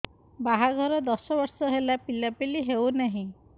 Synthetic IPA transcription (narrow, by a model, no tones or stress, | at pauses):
baɦaɡʱɔɾɔd̪ɔsɔbɔɾsɔɦelapilapiliɦewnaɦĩ